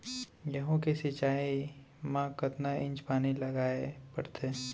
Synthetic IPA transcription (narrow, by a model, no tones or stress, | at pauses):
jɐɦõkesɪt͡ʃaːi | mãkɐt̪naʔɪ̃ɲt͡ʃpaːnilɐɡaːepɐ̰ɾt̪ʰeː